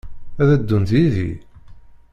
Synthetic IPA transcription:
æðæd̪ːunt̪iðḭ

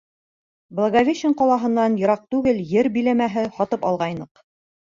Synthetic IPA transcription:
blˠaɡavʲeɕɪɴqɑlˠɑɦɤ̆nːɑnjŏɾɑq̚t̪ʉɡɘljɘɾbĭlæmæɦɘhɒt̪ɤpɑlˠʁɑjnɤq

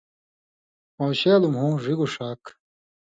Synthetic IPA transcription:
mowɕeːlumɦũːʐiɡuʂaːk

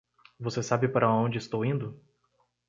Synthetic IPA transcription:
vosesabɪpaɾɐõnd͡ʒɪist̪owĩd̪ʊ

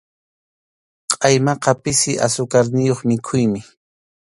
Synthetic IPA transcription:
qʼɑjmɑqɑpɪsɪʔa̰sʊkaɾnɪjoχmɪkʰʊjmɪ

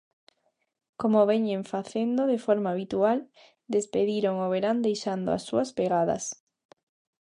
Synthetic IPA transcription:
komoβeɲẽɱfaθend̪oðefoɾmaːβit̪ual | d̪espeðiɾoŋoβeɾand̪ejʃand̪o̰a̰sːuɐspeɣaðɐ̰s

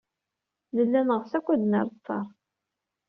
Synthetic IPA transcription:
nəlːænəʁəsækʷːæd̪nəɾˤt̪ˤːɑɾˤ

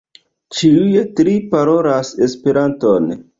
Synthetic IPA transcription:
t͡ʃiujetɾipaɾo̞ɾase̞spe̞ɾanto̞n

